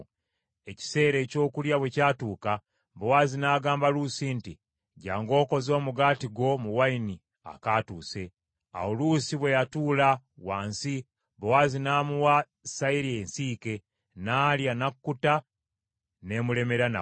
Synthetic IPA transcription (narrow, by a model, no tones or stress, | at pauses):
e̞ci̥se̞ːɾe̞ːco̞ːkuljaβwe̞caːtuːka | βowaːzinaːɡaːmbalusinti | ɟaːŋɡo̞ːko̞zo̞ːmuɡaːtiɡo̞muwaini | a̰kaːtuːse̞ | a̰wolusiβwe̞jatuːla | waːnsi | βowaːzinaːmuwa | saiɾiensiːke̞ | naːljanakːuta | ne̞mule̞me̞ɾana̰